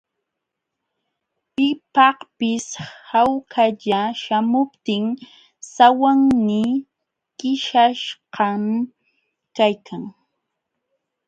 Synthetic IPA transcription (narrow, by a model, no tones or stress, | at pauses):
pɪpɑhpɪshawkʰaʎaʃamʊpt̪ɪŋ | sawaŋnɪ | kɪʃaʃqɑm | kajkʰaŋ